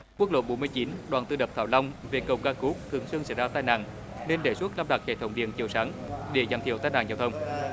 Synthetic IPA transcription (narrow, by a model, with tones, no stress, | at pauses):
ku˦˥k̚lo̰˧˨ɓo˨˦nmɨ˧əjt͡ɕi˨˦nɗwaː˨˩nt̪ɨ˧ɗə˨˩p̚t̪ʰaː˧˩wla˧wŋ͡mve˨˩kə˨˩wkaː˧ku˦˥k̚t̪ʰɨ̰˨˧˩əŋsɨ˧ŋsa̰ː˧˩jzaː˧t̪aː˧jna̰ː˧˨ŋ | ne˧nɗe˧˩su˦˥t̚laː˧mɗa˨˩k̚hḛ˧˨˩t̪ʰə˨˦wŋ͡mɗḭ˧˨ənt͡ɕi˧˩əwsaː˨˦ŋɗe˧˩za˨˩mt̪ʰḭ˧˩ət̪ːjnaː˧˩ŋzaː˧wt̪ʰə˧wŋ͡m